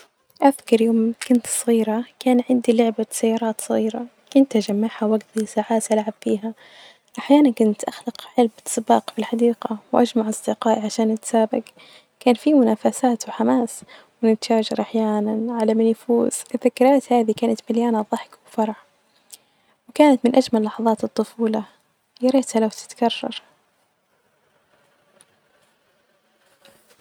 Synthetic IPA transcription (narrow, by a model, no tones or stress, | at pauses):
ʔafkɑɾˤjoːmkʊnt̪sˤɣiːɾakaːnʕɪnd̪ilʊʕbasajːɑːɾˤɑːt̪sˤɑɣiːɾa | kʊnt̪ʔad͡ʒamːaʕhawʔaɡt̪isaːʕaːt̪ʔalʕab̥fiːɦa | ʔaħjaːnankʊnt̪ʔaxlɪqʕɪlbsbɑ̰ːqfilħɑd̪iːqɑwʔa̰d͡ʒmaʕʔɑsˤd̪ɪqɑːʔʕaʃaːnʔat̪saːbɪɡ | kaːnfimʊnaːfasaːt̪wħamaːs | wɪnɪt̪ʃaːd͡ʒɑɾʔaħjaːnanʕalamɪnfṵːz̥ɪθakɾaːt̪haːðikaːnat̪mɪljaːnaðˤɑħkwfɑɾˤʕ | wkaːnat̪mɪnʔad͡ʒmalːɑħɑðˤɑːt̪ɨt̪ˤːʊfuːla | jɑɾeːt̪halawt̪ɪ̥t̪kɑrˤːɑ̰ɾˤ